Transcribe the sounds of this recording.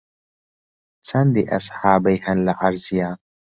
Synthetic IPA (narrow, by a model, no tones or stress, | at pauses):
t͡sand̪iʔa̰sˤħaːbajhanlaʕaɾzjaː